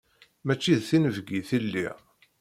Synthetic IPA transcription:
mæt͡ʃːiðθinəvɡiθilːḭʁ

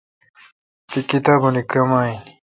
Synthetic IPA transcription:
t̪ikit̪aːbunikɐmaːini

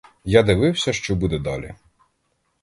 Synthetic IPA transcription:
jad̪ɪʋɪwsʲɐʃt͡ʃɔbud̪ɛd̪ɑ̰lʲḭ

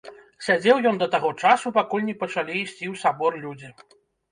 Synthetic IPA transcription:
sʲad͡zʲɛwjɔnd̪ɐt̪aɣɔt͡ʂasupakulʲnʲɛpɐt͡ʂalʲiːsʲt͡sʲiwsabɔrlʲud͡zʲi

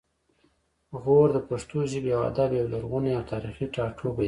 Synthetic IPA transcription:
ɣoɾd̪əpaʂt̪oʒibawa̰d̪abawlaɾɣuneawt̪ʰɑɾixiʈɑʈʰoba

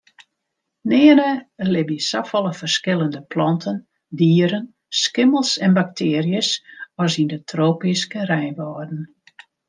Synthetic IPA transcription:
nɪːənəlɪbisafɔlˠəfərskɪlˠəndəplɔntʰən | diːəɾən | skɪməlˠsɛnbak̚tʰɪːərjəsɔs̬indətʰroːpiskərɛjnʋɔːrdən̩

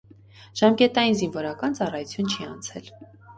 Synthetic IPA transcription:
ʒ̥ɑmkɛt̪ɑjinzinvɔɾɑkɑnt͡sɑrɑjut͡sʰjunt͡ʃʰiɑnt͡sʰɛ̰l

